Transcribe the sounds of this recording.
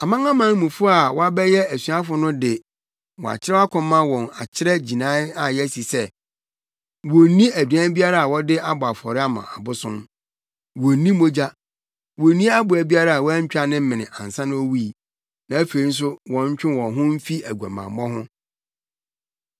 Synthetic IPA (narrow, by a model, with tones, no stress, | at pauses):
a˨mã˦ŋã˦mã˦n˦mũ˨fʊ˦a˨wɔ˦a˦bɛ˦jɛ˦æ˨su˨˦a˦fʊ˨nʊ̃˦dɪ˨ | wɔ˨a̰˨t͡ɕʰɪ˦ɾɛ˦a˦kʰɔ̃˨mːã˦wɔ̃˨na̰˨t͡ɕʰɪ˦ɾɛ˦d͡ʑi˨nã˦a˨jɛ˦si˨sɛ˦ | wo˨nĩ˦æ˨dɥã˦bi˦a˦ɾa˨a˨wɔ˦dɪ˦a˦bʊ˨a˨fɔ̰˨ɾɪ˦a˦mã̰˨ʔa˨bʊ˦sʊ̃˦m | wo˨nĩ˦mo˦d͡ʑa˦ | wo˨nĩ˦a˦bʊ˨æ˨bi˦a˦ɾa˨a˨wɔ˦æ˦ɲ̩˦t͡ɕᶣa˦nɪ̃˦m̩˦mɪ̃˨nɪ̃˨ʔã̰˨n˨sã˦nʊ̃˦o˦wu˦i˨ | nã˨æ˦fe˨i˦n̩˦s̬ʊ˦wɔ̃˨˦ɲ˦t͡ɕᶣɪ˦wɔ̃˨ɦʊ̃˦m̩˦fi˦æ˨ɡʷu˨a̰˨mã̰˨˦mɔ̃˦ɦʊ̃˦